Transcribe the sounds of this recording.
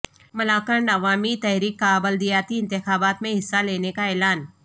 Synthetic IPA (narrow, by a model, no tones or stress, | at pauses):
mɐlaːkəɳɖɐʋaːmit̪ɛɦɾiːkːaːbəld̪ijaːt̪iɪ̃nt̪ɪxaːbaːt̪mẽɦɪsːaleːnekaɛːlaːn